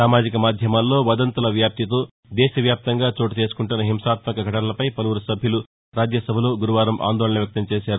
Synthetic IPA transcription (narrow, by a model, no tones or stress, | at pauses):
saːmaːd͡ʒikɐmaːd̪ʱjɐmaːlːo̞ːʋɐd̪ɐnt̪ɐlɐʋjaːp̚t̪it̪o̞ː | d̪ɛːʃɐʋjaːp̚t̪ɐŋɡaːt͡ʃoːʈit͡ʃe̞ːsu̥kuɳʈunːɐɦimʃaːt̪mɐkɐɡʱɐʈɐnɐlɐpɐjpɐluʋuɾɐsɐbʱjulu | ɾaːd͡ʒjɐsɐbʱɐlo̞ːɡuɾuʋaːɾɐmʔa̰ːnd̪oːɭɐnɐʋjɐk̚t̪ɐmt͡ʃeːʃaːɾu